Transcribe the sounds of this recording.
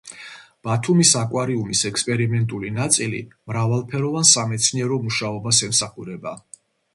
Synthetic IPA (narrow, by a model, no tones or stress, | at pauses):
b̥at̪ʰumisakʼwaɾiumisɛkspʼɛɾimɛnt̪ʼulinat̪sʼilḭmɾavalˠpʰɛɾɔvansamɛt̪sʰniɛɾɔmuʃaɔbasɛmsaχuɾɛba